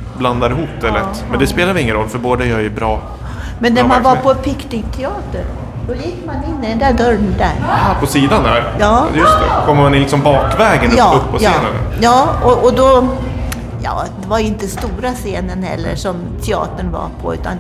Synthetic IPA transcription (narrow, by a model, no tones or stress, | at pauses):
bland̪aɾɦuːt̪ːɛlɾɛt̪ːmɛnd̪ɛspeːlaɾvɪɪŋːənɾɔ̰lːfœɾboːd̪ajœːɾjɵbɾɑː | mɛnːæmanvaɾpʰɔpʰɪknɪŋkt̪ʰɛɑːt̪əɾ | d̪ɔlɪkːmanɪnːɪd̪ɛnd̪æːd̪œɾd̪æ̰ːɾpʰɔsiːd̪and̪æ̰ɾjɑːjɵst̪ɛ̰kʰɔmːəɾmanɪlɪksɔmbɑːkvɛːɡənɑːɵpːpʰːɔseːnən̰jɑːɔʔɔd̪ɔ | jɑ̰ːd̪ɛvajɪnt̪əst̪uːɾaseːnənhɛ̰lːə̰ʂɔm | t̪ʰɛɑ̰ːt̪əɳva̰pʰɔ̰ʉ̟ːt̪a̰n